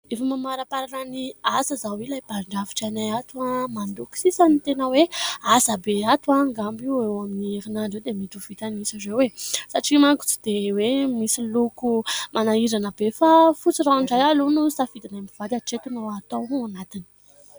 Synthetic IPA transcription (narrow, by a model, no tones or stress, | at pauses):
efamamaɾapaɾananiasəzawilajb̥aɳɖ͡ʐavi̥ʈ͡ʂanajat̪uamand̪uki̥sisanit̪enəweazabeat̪uaŋɡambiewaminieɾinaɳɖ͡ʐewd̪emit̪uv̥it̪anisizewesaʈ͡ʂimaŋɡu̥t͡si̥d̪ewemisilukumʔanaiɾanəbefafut͡siraɳɖ͡ʐajalunusafid̪inambiv̥ad̪aʈ͡ʂet̪unaat̪owanat̪ini̥